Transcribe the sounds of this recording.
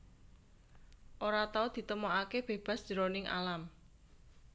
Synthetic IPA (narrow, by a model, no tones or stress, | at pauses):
ʔoɾat̪aʊd̪̥i̤t̪əmoʔakeb̥e̤b̥a̤sd̥ʒ̥əɾonɪŋʔa̰lam